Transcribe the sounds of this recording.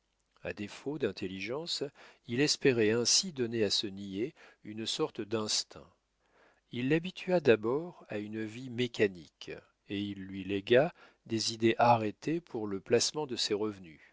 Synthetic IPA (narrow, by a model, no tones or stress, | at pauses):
a̰d̪efod̪ɛ̃t̪ʰeliʒɑ̃silɛspeʁɛɛ̃sid̪ɔneasənieynsɔʁt̪əd̪ɛ̃st̪ʰɛ̰̃ | ilːabit̪ʰɥad̪abɔʁaynvimekanḭk | eilːɥilɛɡa | d̪ezid̪eʔaʁet̪epʰuʁləplasmɑ̃d̪əseʁəvny